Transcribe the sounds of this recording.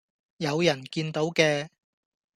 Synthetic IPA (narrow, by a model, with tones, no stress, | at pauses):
jɐ˨˧wjɐ˨˩nkiː˧nt̪o˨˥wkɛː˧